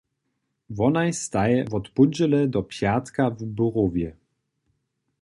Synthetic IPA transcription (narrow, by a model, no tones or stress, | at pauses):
vɔnajst̪ajɛvɔt̪pud͡ʑɛlɛd̪ɔpʲjat̪kavbuʁuvʲjɛ